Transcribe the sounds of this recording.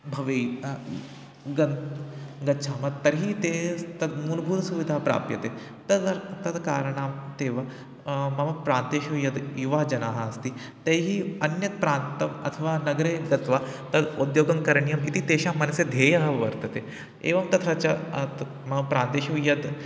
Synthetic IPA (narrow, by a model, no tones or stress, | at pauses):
bʱɐʋe | ɡɐnɡɐtːʃʰaːmɐt̪ːɐɾɦit̪eːt̪ɐd̪munbʱuːt̪suʋid̪ʱaːpɾa̰ːp̚t̪jɐt̪eː | t̪ɐɾt̪ɐd̪kaːɾɳaːmt̪eːʋɐ | mɐmɐpɾaːnt̪eːʃujɐd̪juʋɐɦd͡ʒɐnaːɦaːɐst̪it̪ɐːɦiɐnjɐt̪pɾaːnt̪ɐmɐ̰t̪ʰɐʋaːnɐɡɾeːɡɐt̪ʋaːt̪ɐd̪ud̪joːɡɐmkɐɾɳijɐmit̪it̪eːʃaːmɐnɐsed̪ʱeːjɐɦɐʋɐɾt̪ɐt̪eː | ḛːʋɐmt̪ɐt̪ʰat͡ʃɐt̪ | mɐpɾaːnt̪eːʃujɐd̪